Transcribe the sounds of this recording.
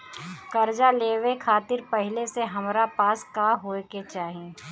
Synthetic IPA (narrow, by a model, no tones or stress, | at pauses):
kɐɾd͡ʒaleːʋekʰaːt̪ɪɾpɛɦɪleseɦɐmɾapaːskaːɦoːket͡ʃaːɦie